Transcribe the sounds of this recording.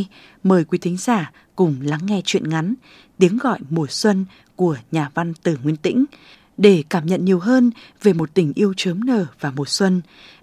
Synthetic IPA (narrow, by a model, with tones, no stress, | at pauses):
məː˨˩jkwi˨˦t̪ʰï˨˦ŋ̟zaː˧˩ | kʊ˨˩ŋ͡mla˨˦ŋːɛ˧t͡ɕwḭ˧˨ənŋa˨˦n | t̪i˨˦əŋɣɔ̰˧˨jmu˨˩əswə˧n | ku˧˩əɲaː˨˩va˧nt̪ɨ˧˩ŋwi˧ənt̪ḭ̈˧˥ŋ̟ | ɗe˧˩kaː˧˩mɲə̰˧˨nɲi˨˩əwɦəː˧nve˨˩mo˨˩t̚t̪ï˧˩ŋ̟ʔi˧əwt͡ɕəː˨˦mnəː˨˩vaː˨˩mu˨˩ət̚swə˧n